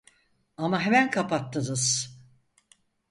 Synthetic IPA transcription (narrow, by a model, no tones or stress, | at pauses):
amaɦemænkʰapat̪ːɯnɯz̥